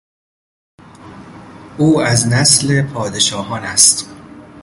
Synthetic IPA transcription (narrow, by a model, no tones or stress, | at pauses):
ʔuːæznæsle̞pʰɒːd̪e̞ʃɒːɦɒːnæst̪